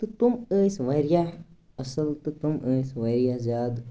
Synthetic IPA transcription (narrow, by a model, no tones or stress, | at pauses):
t̪ɨt̪uməːsʋɐɾja | ɐsɐlt̪ɨt̪umʔə̃ːsʋɐɾjazʲjaːd̪